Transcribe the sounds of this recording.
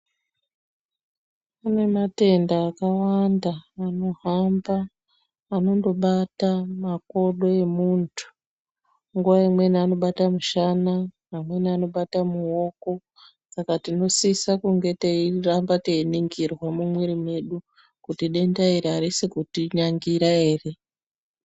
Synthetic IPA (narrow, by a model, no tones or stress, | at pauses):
ane̞mate̞ndaːkawandaːno̞ɦambaː | no̞ndo̞ɓatamako̞ɗo̞e̞muntʰu̥ | ŋɡuwaimwe̞nano̞ɓatamuʃanaː | mwe̞niano̞ɓatamuo̞ko̞ | sakatino̞sisakuŋɡe̞teirambateiniŋɡirwamumweɾimwe̞ɗu | kutiɗe̞ndaiɾeaɾisekutiɲaŋɡiɾae̞ːre̞